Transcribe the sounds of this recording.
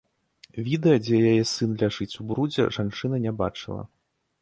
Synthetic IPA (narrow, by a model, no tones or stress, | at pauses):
vʲid̪ɛjɐd͡zʲɛjajɛsɨnlʲaʐɨt͡sʲubɾud͡zʲɛ̰ʐant͡ʂɨnɐnʲabat͡ʂɨlˠɐ̰